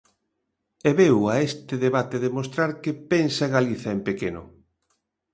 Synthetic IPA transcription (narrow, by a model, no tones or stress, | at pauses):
ɛβewaest̪ɪðeβat̪eðemost̪ɾaɾkepensaɣaliθɐempekenʊ̰